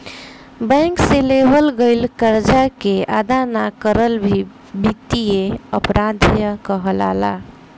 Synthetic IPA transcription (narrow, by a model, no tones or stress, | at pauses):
bɛ̃ŋkselebʱəlɡəɪlkəɾd͡ʒakeʔa̰d̪anakəɾəlbʱi | bikt̪ieəpɾad̪ʱjəkəɦəla̰la̰